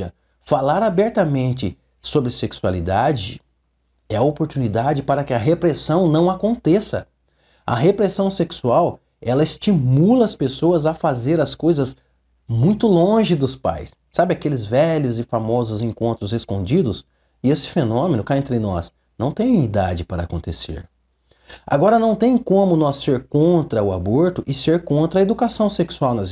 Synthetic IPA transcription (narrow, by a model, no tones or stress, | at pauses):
ɐ | falaɾabɛɾt̪ɐmẽnt͡ʃɪ | sobɾɪseksua̰lid̪ad͡ʒɪ̰ | ɛɐopoɾt̪unid̪ad͡ʒɪpaɾɐkɪɐɦepɾesɐ̃w̃nɐ̃w̃akõnt̪esɐ̰ | ɐ̰ɦepɾesɐ̃w̃seksuaw | ɛlɐɪst͡ʃimulɐɐspesoɐzɐfazeɾɐskojzɐz | mũj̃t̪ʊlõʒɪd̪ʊspa̰jsːabɪakelɪzvɛʎʊzɪfamɔzʊzẽŋkõnt̪ɾʊzeskõd͡ʒid̪ʊs | ɪesɪ̥fenõmẽnʊkaẽnt̪ɾɪnɔ̰s | nɐ̃w̃t̪ẽj̃id̪a̰d͡ʒɪpaɾɐakõnt̪esḛɾ | a̰ɡɔɾɐnɐ̃w̃t̪ẽj̃kõmʊnɔsːeɾkõnt̪ɾɐʊaboɾt̪ʊʔɪseɾkõnt̪ɾɐed̪ukasɐ̃w̃seksuawnɐz